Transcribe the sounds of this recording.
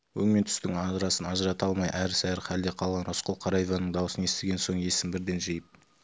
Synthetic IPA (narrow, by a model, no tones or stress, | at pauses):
wɵŋme̞nt̪ʰʏ̥st̪ɪŋɑzɾɑsənɑʒəɾɑt̪ɑlˠmɑjʔæɾsɑjɾχʰæld̪e̞qʰɑlˠʁɑnosqəlˠqʰɑɾɑjvɑnəɴd̪ɑwəsənest̪eɡʲe̞nso̞ɴe̞sɪmbɪɾd̪e̞nʒejɪp̚